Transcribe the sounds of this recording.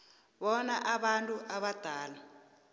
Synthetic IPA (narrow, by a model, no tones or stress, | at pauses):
βɔnaʔaɓantʼuʔaβad̪̥ʱaːla